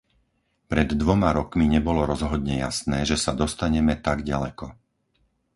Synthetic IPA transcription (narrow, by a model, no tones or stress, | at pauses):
pɾɛd̪ːʋɔmaɾɔkmiɲɛbɔlɔɾɔzɦɔd̪ɲɛja̰snɛːʒɛsad̪ɔst̪aɲɛmɛt̪aɡɟalɛkɔ